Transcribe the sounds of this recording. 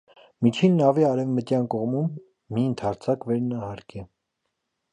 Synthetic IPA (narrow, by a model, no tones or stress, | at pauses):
mit͡ʃʰinːɑviɑɾɛvmət̪jɑnkɔʁmumː | iənt̪ʰɑɾt͡sʰɑkvɛɾnɑhɑɾkɛ